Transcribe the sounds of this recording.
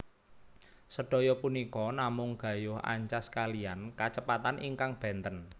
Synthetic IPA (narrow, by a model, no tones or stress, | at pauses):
səɖ̥ɔ̤jɔpunikɔnamʊŋɡ̥ä̤jʊha̰ɲt͡ʃaskaliankat͡ʃəpat̪anʔiŋkaŋb̥ɛ̤nt̪ən